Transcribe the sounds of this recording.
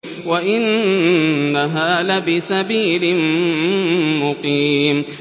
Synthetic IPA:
waʔɪnː | aɦaːlabɪsabiːlɪm | mʊqiːm

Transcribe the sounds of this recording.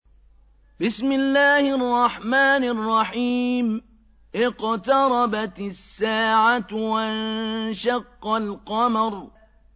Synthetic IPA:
bɪsmɪlːaːhɪɑrˤːɑħmaːnɪrˤːɑħiːm | ʔɪqt̪ɑɾˤɑbat̪sːaːʕawanʃɑqːɑlqɑmɑɾˤ

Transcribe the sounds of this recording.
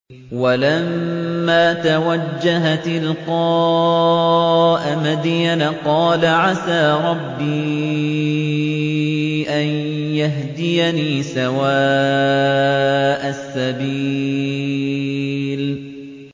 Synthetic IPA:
walamːaːt̪awad͡ʒd͡ʒːaɦat̪ɪlqɑː | ʔmad̪ijnqɑːlaʕasaːɾˤɑbːiː | ʔanjaɦd̪ɪjaniːsawaː | ʔasːabiː | l

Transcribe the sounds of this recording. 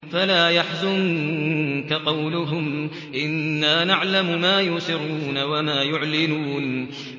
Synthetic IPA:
falaːjaħzʊn | kaqɑwlʊɦʊm | ʔɪnːaːnaʕlamʊmaːjʊsɪɾuːnawamaːjʊʕlɪnuːn

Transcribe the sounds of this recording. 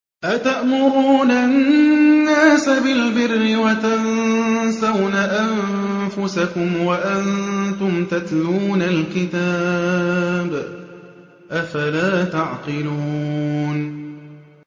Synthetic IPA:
ʔat̪aʔmʊɾuːnannːaːsabɪlbɪrːɪwat̪annsawnaʔanfʊsakʊmwaʔant̪ʊmt̪at̪luːnalkɪt̪aː | b | ʔafalaːt̪aʕqɪluːn

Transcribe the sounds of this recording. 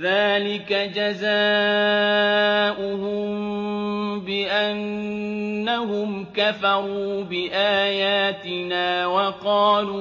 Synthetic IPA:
ðaːlɪkad͡ʒazaː | ʔʊhʊmm | bɪʔanː | aɦʊmkafɑɾuːbɪʔaːjaːt̪ɪnaːwɑqɑːluː

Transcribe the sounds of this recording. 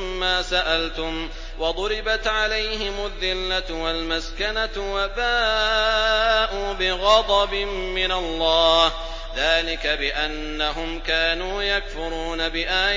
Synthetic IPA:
aːsaʔalt̪ʊm | wɑd̪ˤʊɾɪbat̪ʕalajɦɪmʊðːɪlːatwalmaskanawabaː | ʔuːbɪɣɑd̪ˤɑbɪmːɪnalˤːɑːh | ðaːlɪkabɪʔanːaɦʊmkaːnuːjakfʊɾˤuːnabɪʔaː

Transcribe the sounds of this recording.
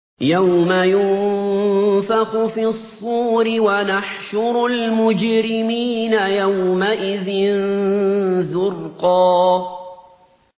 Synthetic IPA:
jawmajʊn | fɑxʊfiːsˤːuːɾɪwanaħʃʊɾˤʊlmʊd͡ʒɾɪmiːnajawmaʔɪðɪn | zʊrqɑː

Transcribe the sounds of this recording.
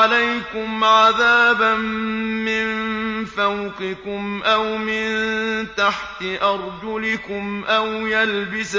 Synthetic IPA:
alajkʊmʕaðaːbanːɪnfawqɪkʊmʔawmɪnt̪aħt̪ɪʔɑɾˤd͡ʒʊlɪkʊmʔawjalbɪs

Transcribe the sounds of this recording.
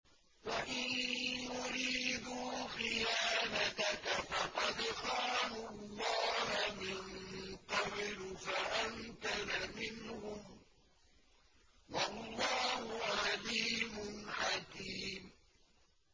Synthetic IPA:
waʔɪnjʊɾiːd̪uːxɪjaːnat̪akafɑqɑd̪qɑːmʊlːɑːhamɪnqɑblfaʔaŋkalamɪnhʊm | wɑlːɑːhʊʕaliːmʊnʕakiːm

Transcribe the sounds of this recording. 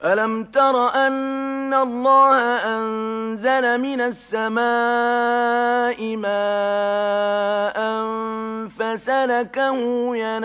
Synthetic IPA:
ʔalamt̪ɑɾˤɑʔanːalˤːɑːhaʔannnzalamɪnasːamaː | ʔɪmaː | ʔamfasalakahʊjan

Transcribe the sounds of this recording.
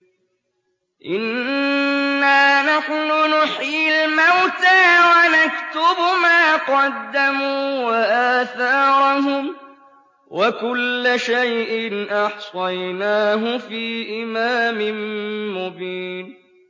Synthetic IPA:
ʔɪnː | aːnaħnʊnʊħiːlmawt̪aːwanakt̪ʊbmaːqɑd̪ːamuːwwaʔaːθɑːɾˤʊɦʊm | wʔakʊlːaʃajʔɪnʔɑħsˤɑjnaːɦʊfiːʔɪmaːmɪnmʊbiːn

